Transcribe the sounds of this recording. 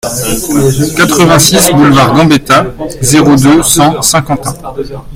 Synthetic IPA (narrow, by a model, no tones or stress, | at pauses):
kat̪χəvɛ̃sisbulvaʁɡɑ̃bet̪azeʁod̪øsɑ̃sɛ̃kɑ̃t̪ɛ̃